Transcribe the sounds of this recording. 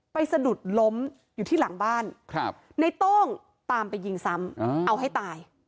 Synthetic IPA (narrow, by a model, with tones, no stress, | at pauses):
pa˧jsa˧du˨˩t̪̚lo˦˥m | juː˨˩t̪ʰiː˥˩la˩˦ŋbaː˥˩nk̚ʰ | na˧jt̪ɔ˥˩ŋ | t̪aː˧mpa˧jːi˧ŋsa˦˥mʔa˧wɦa˥˩jt̪aː˧j